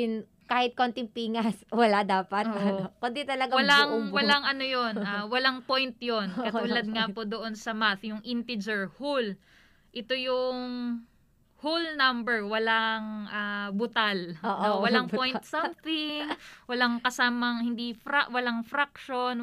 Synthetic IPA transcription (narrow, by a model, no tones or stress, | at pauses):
ɪn | kaːhɪt̪̚kont̪ɪŋpiːŋɐswɐlad̪aːpɐt̪ookʊnd̪it̪ɐlɐɡawɐlaŋwɐlaŋʔɐnojonʔawɐlaŋpo̞jnt̪̚jo̞nkɐt̪uːlɐd̪̚ŋapod̪oʔo̞nsɐmaθjʊŋʔɪnt̪ɪd͡ʒɛɹhul | ʔɪt̪ojʊŋ | hulnɐmbɛɹwɐlaŋʔabʊt̪alʔoʔowɐlaŋpojnt̪sɐmθɪŋwɐlaŋkɐsaːmɐŋhɪnd̪ifɾaʔwɐlaŋfɾak̚ʃon